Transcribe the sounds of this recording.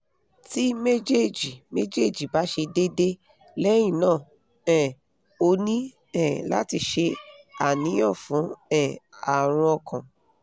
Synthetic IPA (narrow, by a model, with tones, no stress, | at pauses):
ti˦me˦d͡ʒe˦˨d͡ʒi˨me˦d͡ʒe˦˨d͡ʒi˨ba˨˦ʃe˧de˦de˦ | lɛ˦j̃ĩ˦˨nãː˦˨ | ɛ˦˨ | o˧nĩ˦ | ɛ̃˦˨la̰˦ti˧ʃe˧a̰˨nĩ˨˦ɔ̃˦˨fũ˨˦ɛ̃˦˨a˨ɾ̃ɔ̃˧ɔ˧kʰã˨